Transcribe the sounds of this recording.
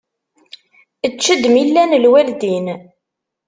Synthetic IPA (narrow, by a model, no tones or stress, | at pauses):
ət͡ʃːəd̪milːænlwæld̪in